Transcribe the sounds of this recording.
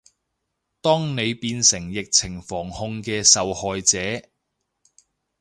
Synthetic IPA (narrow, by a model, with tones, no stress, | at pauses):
t̪ɔː˥ŋne˨˧jpiː˧nsɪ˨˩ŋjɪ˨k̚t͡sʰɪ˨˩ŋfɔː˨˩ŋhʊ˧ŋkɛː˧sɐ˨whɔː˨jt͡sɛː˨˥